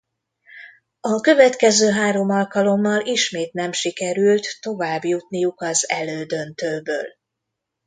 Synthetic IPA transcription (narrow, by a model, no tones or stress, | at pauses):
ɒkø̞vɛt̪kɛzøːɦaːɾo̞mɒlkɒlo̞mːɒliʃmeːt̪nɛmʃikɛɾylt̪ːo̞vaːbjut̪nijukɒzɛ̰løːd̪ø̞nt̪øːbø̰ːl